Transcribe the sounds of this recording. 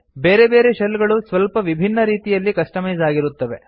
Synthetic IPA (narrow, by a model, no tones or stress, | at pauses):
beːɾe̞be̞ːɾeʃɐlːɡɐɭusʋɐlpɐʋibʱinːɐɾiːt̪ijɐlːikɐʂʈɐmɐjɐzaːɡiɾut̪ːɐʋe̞̰